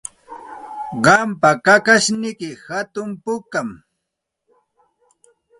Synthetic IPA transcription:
ɢɑmpakakaʃnɪkɪhat̪ʊmpʊkam

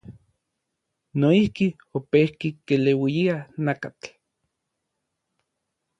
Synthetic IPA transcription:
noihki | opehkikelewijianakat͡ɬ

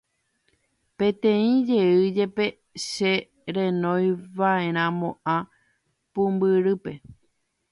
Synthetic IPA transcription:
pẽ̞t̪ẽ̞ĩd͡ʒe̞ɨd͡ʒe̞pe̞ | ʃe | ɾẽ̞nõjʋae̞ɾ̃ãmõ̞ʔã | pũmbɨɾɨpe̞

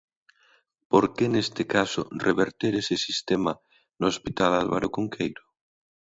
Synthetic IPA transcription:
poɾkenest̪ɪkasʊ̰reβeɾt̪eɾesesist̪ema | noospit̪alalβa̰ɾʔokuŋkʰejɾʊ

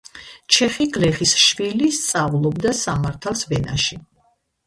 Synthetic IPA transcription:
t͡ʃʰɛχiɡlɛχisʃvilist̪sʼavlˠɔbd̪asamaɾt̪ʰalˠsvɛna̰ʃi

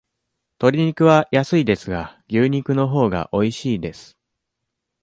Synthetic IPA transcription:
t̪o̞ɾʲiɲ̟ikɯ̟β̞ajasɨid̪e̞sɨɡaɡʲɨːɲ̟ikɯ̟no̞ɦo̞ːɡa̰ʔo̞iɕiːd̪e̞sɨ̥

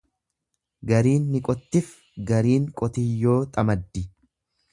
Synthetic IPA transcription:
ɡɐɾiːnːɪkʼɔt̪ːɪf | ɡɐɾiːŋkʼɔt̪ɪjːoːt̪ʼɐmɐd̪ːɪ

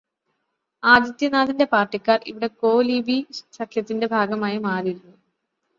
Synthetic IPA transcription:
aːd̪jɐt̪jɐnaːðinde̞paːrʈːikʲːaːrḭʋiɽe̞ko̞ːlibisɐkʰjɐt̪ːinde̞bʱaːɡɐmaːjimaːriɾunːu

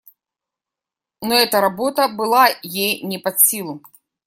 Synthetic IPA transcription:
nɔɛt̪ɐɾabɔt̪ɐbɨlˠajejnʲɛpɐt̪sʲilˠu

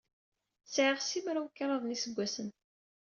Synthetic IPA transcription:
sʕəʁsimɾawkːɑɾəðˤnisəɡʷːæsən

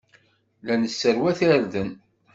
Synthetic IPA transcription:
lænəsːəɾwæθiɾðən

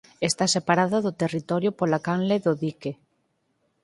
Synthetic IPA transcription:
est̪asepaɾaðaðot̪erit̪ɔɾjopolakanleðoðike

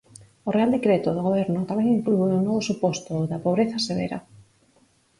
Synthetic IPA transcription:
oreald̪ekɾet̪oðoɣoβ̞eɾnʊt̪amẽŋiŋklueonoðosupost̪oðapoβɾeθaseβ̞ḛɾa̰

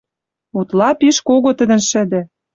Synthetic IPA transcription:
ut̪lɑpiʃkoɣot̪ə̆d̪ə̆nʃɘ̆d̪ɘ̆

